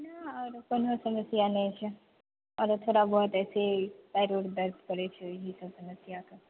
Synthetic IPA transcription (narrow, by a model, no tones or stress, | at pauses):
nɐɔːɾkonosɐməsjanẽt͡ʃʰe | ɔːɾot̪ʰoːɽabɔːt̪ɛːsepɛːɾuːɾd̪ɐɾd̪kɐɾet͡ʃʰeɦisɐbsɐməsjaka